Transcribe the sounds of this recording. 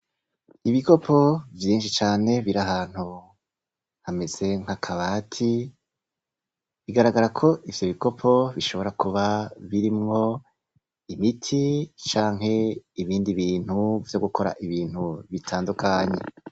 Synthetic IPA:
iβiko̞pʰo̞vjiːnʃit͡ʃaːne̞βiɾaɦaːn̥hu | hame̞z̥e̞ŋ̥hakʰaβaːtʰi | βiɡaɾaɡaɾakʰo̞ʔivjo̞βiɡo̞pʰo̞βiʃo̞βo̞ɾakuβaβiɾimŋo̞ | imitʰit͡ʃaːŋɦe̞iβiːndiβiːn̥huv̥joɡuko̞ɾa̰ʔiβiːn̥uβitʰaːndukʰaɲe̞̰

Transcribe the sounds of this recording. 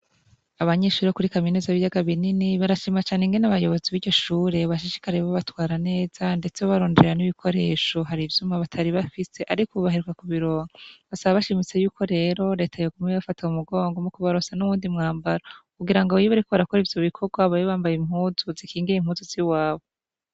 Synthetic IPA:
aβaɲe̞ːʃuːɾekuɾikaminezaβijaɡaβininiβaɾaʃimat͡ʃaːne̞ŋɡe̞naβajo̞βo̞ziβiːɾɟo̞ʃuːɾe̞βaʃiʃi̥kaɾeβaβatwaːɾane̞ːz̥ande̞t͡seoβaɾoːndeeɾaniβikʰo̞ɾe̞ːʃo̞ɦaɾivjumaβatʰaɾiβafise̞ʔaɾikuuβaɦiɾukakuβiɾoːŋaβasaβaβaʃimit͡se̞juːkʰo̞ɾe̞ɾo̞ɾe̞ːtʰajoɡumŋeβafatiaumuɡoːŋɡomukuβaɾosanuβuːndimŋaːmbaɾakuɡiɾaŋɡoβjiβaɾikoβaɾakoɾivjo̞βikʰo̞ɡwaβajoβaːmbajimhuːzuzikʰiːŋɡiɾeimhuːzuziwaːβo

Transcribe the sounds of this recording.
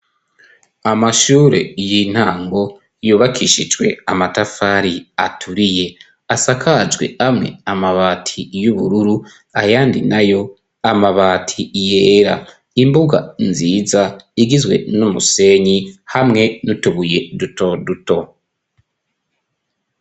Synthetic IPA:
amaʃuːɾe̞̰jin̥haːŋɡo̞ | juːβakʰiːʃid͡ʒwe̞̰amatafaɾiatʰuɾije̞ | asakʰad͡ʒɡwe̞̰hamŋe̞̰amaβaːtʰijuβuɾuɾu | ajaːndinajo̞ | amaβaːtʰijeːɾa̰ | imbuɡa̰nziːzaiɡizwe̞̰numuse̞ɲihamŋe̞nutuβuje̞duto̞duto̞

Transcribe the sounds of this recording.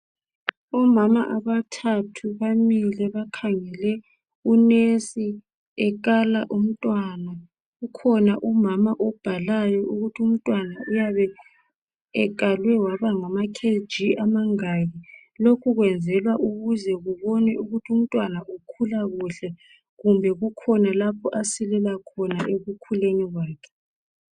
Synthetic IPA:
ɔmamaʔaβatʰatʰuβamilɛβakʰaŋɛlɛ | unesi | ɛk̬alaʔum̩tʼwana | ukʰɔnaʔumamaʔɔb̥ʱalajɔʔuɣutʰium̩tʼwanaʔujaβɛ | ɛk̬ʼalwɛwaβaŋamakʰe̥d͡ʒʱiamaŋaɣi | lokʰuɣwɛnd͡zʱɛlwaʔuɣuzɛɣuβɔnɛuɣutʰum̩tʼwanaʔukʰulaɣuɬɛ | ɣumbʱɛɣukʰɔnalapʰɔʔasilɛlakʰɔnaʔeɣukʰuleniɣwaːkʰɛ̥

